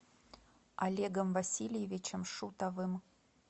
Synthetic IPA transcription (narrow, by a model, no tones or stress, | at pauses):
a̰lʲeɡəmvasʲilʲjevʲit͡ɕə̆mʂut̪avɨm